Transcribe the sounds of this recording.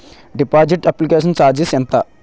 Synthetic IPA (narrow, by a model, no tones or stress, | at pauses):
ɖipaːd͡ʒiʈɐplikeːʂ̬ɐnt͡ʃaːd͡ʒisɛnt̪ɐ